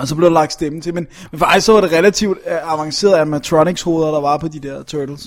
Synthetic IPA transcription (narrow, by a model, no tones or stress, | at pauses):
ɒsɒ̽b̥le̝ʊd̥elɑ̈ɡ̥d̥sd̥emn̩t͡sʰemen | menfɒɑ̈ɪ̥sɒʋɑ̈ɾe̝ʁɛlæt͡sʰiʊd̥ɑ̈ʋɑ̈ŋse̝̰ːɐðˠæmæt͡sʰʁɔniɡ̥sho̝ːð̞ˠɐɾ̥ɑ̈ʋɑ̈pʰɒ̽d̥id̥ɛɐ̰t͡sʰød̥l̩s